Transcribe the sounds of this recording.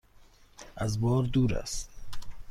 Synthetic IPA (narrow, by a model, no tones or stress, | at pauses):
azbɔːɾd̪uːɾa̰st̪